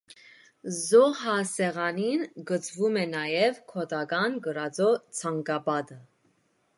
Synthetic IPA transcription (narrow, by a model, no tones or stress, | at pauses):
zɔɑsɛʁɑninɡət͡sʰvumɛnɑjɛvkʰɔt̪ɑɡɑnɡəɾɑd͡zɔt͡sʰɑŋɡɑbɑd̪ə